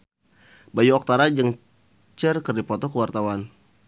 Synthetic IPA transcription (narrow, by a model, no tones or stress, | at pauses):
bajuɔk̚t̪aɾad͡ʒəŋ | t͡ʃərkərdipɔt̪ɔkəwart̪awan